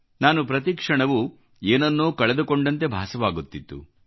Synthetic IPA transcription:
naːnupɾɐt̪̬ikʂɐɳɐʋu | eːnɐnːuːkɐɭɛd̪ukoɳɖɐnt̪e̞bʱaːsɐʋaːɡut̪ːit̪ːṵ

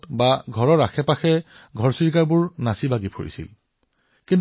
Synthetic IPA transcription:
tbaɡʱɔɹɔɹaxʰɛpaxɛ | ɡʱɔɹsiɹk̬aɹbʊɹnasibaɡipʰo̰ɹḭsḭl | kint

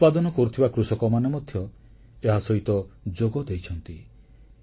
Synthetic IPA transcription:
pad̪ɔnɔkɔɾut̪ʰibakɾusɔkɔmanemɔd̪ʱjɔ | eɦasɔɦit̪ɔd͡ʒoɡɔd̪ejt͡ʃʰɔnt̪i

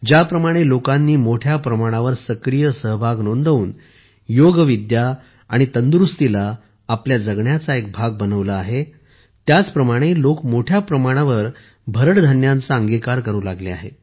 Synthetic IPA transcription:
d͡ʑjapɾəmaɽ̃elokãnːiːmoʈʰjapɾəmaɽ̃aʋəɾsəkɾijəsəɦbʱaɡnond̪ʱəuːn | joɡʋid̪ja | aɽ̃it̪ənd̪ɾust̪ilaː | pljad͡zəɡɳjat͡saek̚bʱaɡ̚bənəʋlaːɦe | t̪jat͡spɾəmaɽ̃elokmoʈʰjapɾəmaɽ̃aʋəɾ | bʱəɾəʈd̪ʱanjãnt͡saəŋɡikaɾkəɾuːlaɡlea̰ɦḛ

